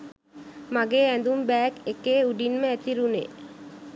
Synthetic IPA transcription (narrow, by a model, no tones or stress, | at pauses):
maɡeːænd̪umbæːkekeːuɖinməæt̪iɾunḛ